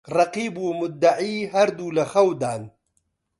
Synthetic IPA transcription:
rɐqiːbumʊd̪ːaʕiːɦaɾd̪ulɐxɐwd̪aːn

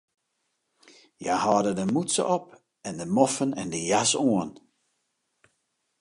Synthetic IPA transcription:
jahɔːdədəmutsə̰ʔɔp | ɛndəmɔfənɛ̰ndəjasoən

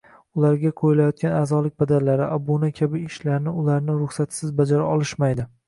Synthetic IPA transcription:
ʊlaɾɡʲaqʰojɪlajɒt̪̚kʲanaːzɒlɪk̚ʲbad̪aɾlaɾɪʔabonakʲʰabɪːʃlaɾnɪʊlaɾnɪɾʊχsat̪ʰsɪzbad͡ʒaɾaɒlˠɪʃmajd̪ɪ

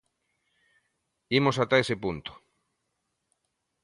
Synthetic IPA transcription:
imosat̪aesepunt̪o̥

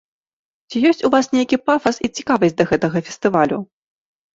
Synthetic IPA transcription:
t͡sʲijɔsʲt͡sʲuvasnʲejkʲipafɐsit͡sʲi̥kavɐsʲd͡z̚ʲd̪ɐɣɛt̪ɐɣɐfʲɛ̥st̪ɨvalʲu

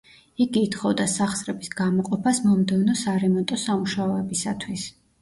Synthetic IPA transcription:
iɡiːt̪χɔvd̪asaχsɾɛbisɡamɔqʼɔpʰasmɔmd̪ɛvnɔsaɾɛmɔnt̪ʼɔsamuʃaɔɛbisat̪ʰwis

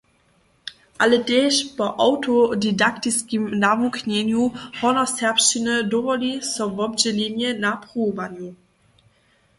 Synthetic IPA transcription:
ʔaləteːɕpɔʔawtɔdidaktiskimnavukɲɛɲjuhɔnɔsɛɐpʃinədɔvɔlisɔvɔbd͡ʑɛleɲɛnapʁuːvaɲu

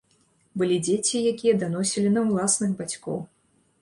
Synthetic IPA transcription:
bɨlʲid͡zʲet͡sʲijakʲijɐd̪anɔsʲilʲinɐwlˠasnɨɣbat͡sʲkɔ̰w

